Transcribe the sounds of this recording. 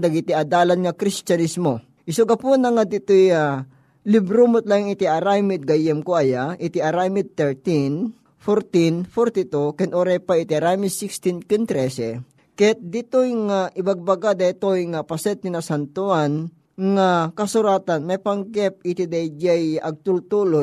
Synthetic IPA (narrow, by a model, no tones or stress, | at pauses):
d̪ɐɡit̪iɐd̪aːlanŋɐkɾist͡ʃɐnismo | ʔɪsʊɡɐpunɐŋad̪ɪt̪oja | lɪbɾumʊt̪laŋɪt̪iʔɐɾajmɪd̪̚ɡajɛmkoajaʔɪt̪iʔɐɾajmɪd̪̚t̪ɛɹt̪in | foɾt̪infoɾt̪it̪ukɛnoɾɛjpaɪt̪iɾajmisikst̪inkɛnt̪ɾɛsɛ | kɛt̪̚d̪ɪt̪ojŋaʔɪbaɡ̚baɡad̪ɐit̪ojŋɐpɐsɛt̪̚ninɐsant̪ʊan | ŋakɐsʊɾaːt̪anmajpɐŋɡɛp̚ɪt̪id̪ajd͡ʒɛjʔɐɡ̚t̪ult̪uːlo